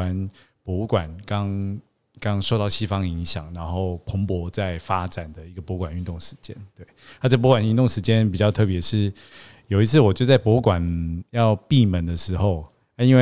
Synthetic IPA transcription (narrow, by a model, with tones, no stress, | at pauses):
a˧˥n | pwɔ˧˥u˥˧kwa˨˩nkɑ˦˥ŋ | kɑ˦˥ŋʂo˥˧ʊt̪ɑ˥˩ʊɕi˥fɑ˦ŋi˧˥ŋɕjɑ̰˨˩ŋna˧˦nxo˥˩ʊpʰʊ˧˥ŋpwɔ˧˥t͡sa˥˩ɪfa˥ʈ͡ʂa˨˩nd̪ə˦i˧ɡə˩pwɔ˧˥kwa˨˩ny˥˧nt̪ʊ˥˩ŋʂɻ̩˧˦t͡ɕjɛ˦˥nt̪we˥˩ɪa˥˧ʈ͡ʂɤ˥˩p̬wɔ˧˥kwa˨˩ny˥˧nt̪̬ʊ˥˨ŋʂɻ̩˧˥t͡ɕjɛ˥˦np̬i˨˩t͡ɕɑ˥˧ʊt̪ʰɤ˥˨˩p̬jɛ˧˥ʂɻ̩˥˩ | jo˨ʊi˧˥t͡sʰɹ̩˥˩wɔ˨˩t͡ɕjo˥˧ʊt͡sa˥˩ɪpwɔ˧˥u˥˩kwa˨˩njɑ˥˧ʊpi˥˩mə˨˦nd̪ə˨ʂɻ̩˧˥xo˥˧ʊ˥ | i˥nwe˥˧